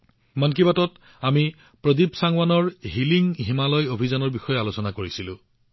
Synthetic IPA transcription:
mank̬ibatɔt | ami | pɹɔdibsaŋwanɔɹɦiliŋɦimalɔjobʱizanɔɹbixɔjɛalosɔnakoɹisilʊ̰̃

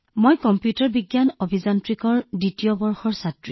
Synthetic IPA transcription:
mojkɔmpjutɔɹbiɡjanobʱizantɹikɔɹditijɔbɔɹxɔɹsatɹi

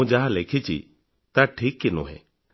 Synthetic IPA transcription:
ũd͡ʒaɦãleːkʰit͡ʃʰḭ | t̪aʈʰiːkːɪnṵ̃ɦɛ̰ː

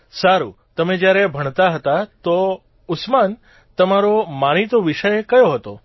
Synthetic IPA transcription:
saɾu | t̪əmẽd͡ʒjaɾebʱəɳ̃t̪aɦət̪at̪o | ʊsman | t̪əmaɾomañit̪oʋiʃəjekəjoɦət̪o

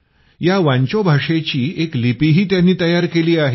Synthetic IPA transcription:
jaʋãɲt͡ɕobʱaʂet͡ɕiːeklipiɦiːt̪janːiːt̪əjaɾkeliːaɦe

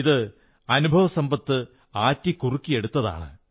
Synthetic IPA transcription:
iðɨ | ɐnubʱɐʋɐsɐmbɐt̪ːɨ | aːtːikurukːije̞ɽut̪ːɐða̰ːɳɨ̰

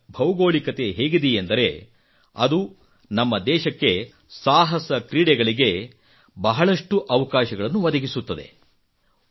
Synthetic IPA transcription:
bʱɐwɡoːɭikɐt̪e̞ɦeːɡid̪ijend̪ɐɾe̞ | ɐd̪u | nɐmːɐd̪ɛːʃɐkːe̞ | saːɦɐsɐkɾiːɽɛɡɐɭiɡe̞ | bɐɦɐɭɐʂʈuʔɐʋɐkaːʃɐɡɐɭɐnːuʋɐd̪ɐɡisut̪ːɐd̪e̞̰

